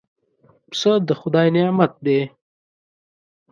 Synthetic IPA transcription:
psəd̪əxʊd̪ɑːjnemat̪̚d̪e

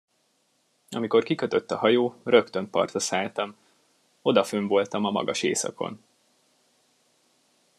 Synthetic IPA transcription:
ɒ̰miko̞rkikø̞t̪ø̞t̪ːɒhɒjoːrø̞kt̪ø̞nt̪̚pɒ̰rt̪ɒsaːlt̪ɒm | o̞d̪ɒføɱvo̞lt̪ɒmɒmɒ̰ɡɒʃḛːsɒ̰ko̞̰n

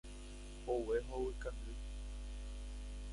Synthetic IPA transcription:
oweɦowɨkand̪ɨ

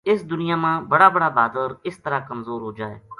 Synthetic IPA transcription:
ɪsd̪ʊnɪjaːmãːbəɽaːbəɽaːbaːd̪ɾɪst̪əɾaːkəmzoːɾɦoːd͡ʒaːḛː

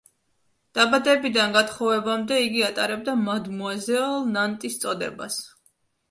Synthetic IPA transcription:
d̪̥abad̪ɛbid̪anɡat̪χɔvɛbamd̪ɛiɡiat̪ʼaɾɛb̚d̪amad̪muazɛlˠnant̪ʼist̪sʼɔd̪ɛ̰ba̰s

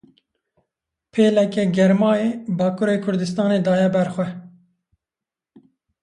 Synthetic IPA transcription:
pʰeːlɛkɛɡɛɾmɑːeːbɑːkʰuːɾeːkʰʊɾd̪ɨst̪ɑːneːd̪ɑːjɛbɛɾxwɛ

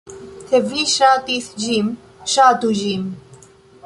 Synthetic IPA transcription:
t̪ʰɛviʃaːt̪iːθd͡ʒiːm | ʃaːt̪uʒiːm

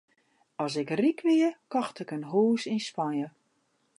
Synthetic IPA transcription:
ɔs̬ɪkrikʋɪəkɔxtɪkənɦuːsinspanjə

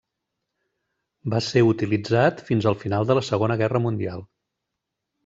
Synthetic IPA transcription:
baseut̪ilid͡zat̪finzəlˠfinalˠd̪ələsəɣonəɣɛrəmund̪ialˠ

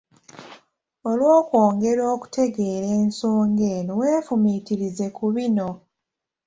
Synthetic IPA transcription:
olwo̞ːkwo̞ːŋɡe̞ɾo̞ːku̥tʰe̞ɡe̞ːɾeːnsoːŋɡe̞newe̞ːfumitiɾize̞kuβino̞

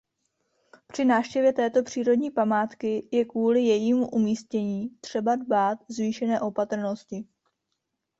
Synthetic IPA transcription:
pr̝̥ɪnaːfʃcɛvjɛt̪ɛːt̪o̞pr̝̥iːɾo̞dɲiːpamaːt̪kɪjɛkvuːlɪjɛjiːmuʔumiːscɛɲiːt̪r̝̥ɛbadbaːt̪zviːʃɛnɛːʔo̞pat̪r̩no̞scɪ

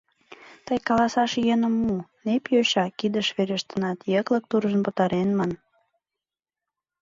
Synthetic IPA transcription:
t̪əjkɑlɑsɑʃjenə̆mːunepjoɕɑkid̪əʃβeɾʲeʃt̪ənɑt̪jeklə̆k̚t̪uɾʒənpə̆t̪ɑɾenmɑn

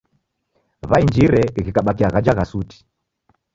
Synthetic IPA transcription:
βaind͡ʒiɾɛɣikaɓakiaɣad͡ʒaɣasuti̥

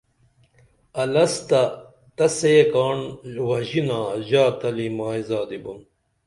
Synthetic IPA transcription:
ɐlɐst̪ɐ | t̪ɐsekaːɳwɐʑinaːʑaːt̪ɐlimaːizaːd̪ibun

